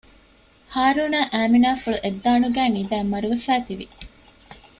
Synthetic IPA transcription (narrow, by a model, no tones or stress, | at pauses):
haːɾuːnaːʔæːminaːfuɭuʔed̪ːaːnuɡæːnid̪æːmːɐɾuʋefæːt̪iʋi